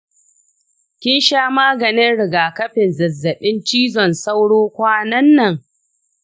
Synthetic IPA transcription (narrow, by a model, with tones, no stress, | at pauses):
kʲɪ˦nʃaː˦maː˦ɡɐ˨nɪ˦nɽɪ˨ɡaː˨kɐ˦ɸɪ˨nzɐ˨zːɐ˨ɓɪ˦nt͡ʃiː˦zɔ˨nsa˦wɽoː˦kʷaː˦nɐ˦nːɐ˨ŋ